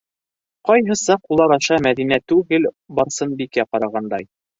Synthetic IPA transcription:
qɑjɦɤ̆sɑqulˠɑɾɑʃɑmæðinæt̪ʉɡɘl | bɑɾsɤnbikæqɑɾɑʁɑnd̪ɑj

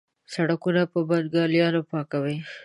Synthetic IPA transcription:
saɽakunapəbad̪ɡɑljɑnopɑkawe

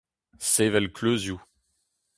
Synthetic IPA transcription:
sevɛlkʰløzju

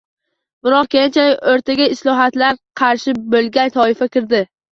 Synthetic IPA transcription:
bɪɾɒqkʲent͡ʃʰaoɾt̪ʰaɡʲaɪslɒɦat̪laɾqʰɑɾʃɪbolɡʲant̪ʰɒɪfakʲɪɾd̪ɪ

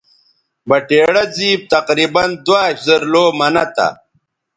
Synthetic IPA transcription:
bɐʈeːɽɐd͡ziːb̚t̪ɐqɾiːbɐnd̪waːɕzɐɾloːmɐnɐt̪a̰

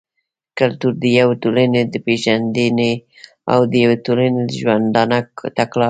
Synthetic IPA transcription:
kalt̪uɾd̪əjawetolaned̪əpeʒand̪əne | a̰wd̪əjawetolaned̪əʒwand̪ɑnakt̪aklɑ

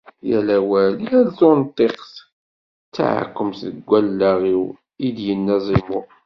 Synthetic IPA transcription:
jælæwæliælθont̪ˤːeqθ | t͡sːa̰ʕa̰kːəmθəɡʷːælːæʁiw | id̪jənːæzˤimʊ

